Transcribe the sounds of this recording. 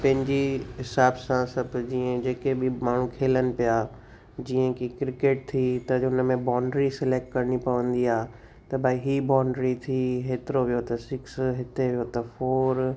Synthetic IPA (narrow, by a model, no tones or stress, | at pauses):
pɐ̃ɦɪ̃ɲd͡ʑiɦɪsaːbsãsɐbʱd͡ʑiːẽd͡ʑeːkebɪmaːɳ̤ũkʰeːlənɪ̆pijaː | d͡ʑiːə̃kikɾɪkeːʈ̚t̪ʰit̪ɐʊnə̆mẽbaːɳɖɾisɪleːk̚ʈ̚kɐɾəɽipɐʋə̃nd̪iaːɦ | t̪ɐbaːiɦibãːɳɖɾit̪ʰiɦeːt̪ɪɾoʋijot̪ɐsɪksɦɪt̪eʋijot̪ɐfoːɾ